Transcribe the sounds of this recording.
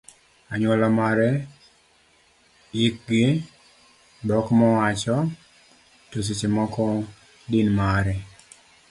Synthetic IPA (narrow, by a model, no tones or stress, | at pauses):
aɲwɔlamaɾɛ | ɪk̚ɡɪ | dɔkmɔwat͡ʃɔ | tos̬it͡ʃemɔkɔ | dɪnmaɾɛ